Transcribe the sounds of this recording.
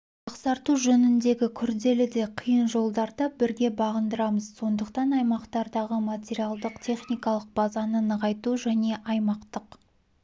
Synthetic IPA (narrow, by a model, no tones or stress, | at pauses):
ɑqsɑɾt̪uʒɵnɪnd̪e̞ɡʲɪkʲʰʏɾd̪e̞lɪd̪e̞qʰəjənʒo̞lˠd̪ɑɾd̪ɑbɪɾɡʲe̞bɑʁənd̪əɾɑməzso̞nd̪əqt̪ɑnɑjmɑqt̪ɑɾd̪ɑʁəmat̪ʲeɾijalˠd̪əqt̪ʲʰe̞χnijkɑlˠəq̚b̥ɑzɑnənəʁɑjt̪uʒæne̞ʔɑjmɑqt̪əq